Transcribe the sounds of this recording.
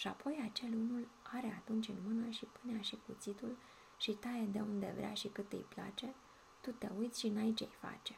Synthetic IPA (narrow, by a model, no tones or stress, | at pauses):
ʃiapʰo̞jat͡ʃe̞lunulaɾe̞at̪unt͡ʃʲɨnmɨnəʃipuneaʃikut̪sit̪ul | ʃit̪aed̪e̞̰und̪e̞̰vɾʲea̰ʃikɨt̪ːɨ̰jpla̰t͡ʃe̞ | t̪ut̪e̞ujt̪sʲʃiɨnait͡ʃḛjfa̰t͡ʃe̞̥